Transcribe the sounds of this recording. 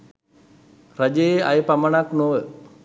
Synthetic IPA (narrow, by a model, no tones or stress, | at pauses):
rad͡ʒejeajəpamaɳaknoʋə